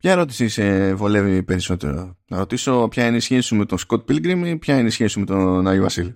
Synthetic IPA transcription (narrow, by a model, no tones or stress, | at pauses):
pçɐeɾo̞t̪i̥sisevo̞le̞vipe̞ɾisot̪e̞̰ɾo̰nɐɾo̞t̪iso̞pçɐineisçe̞si̥sime̞t̪o̞sko̞t̪̚bilɡɾimipçɐineisçesiume̞t̪onɐjovɐ̰sili